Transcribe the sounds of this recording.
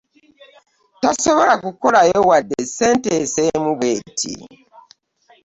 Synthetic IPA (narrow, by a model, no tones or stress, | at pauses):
tasoβolakukolajowadːeseːntesemuβwetʰḭ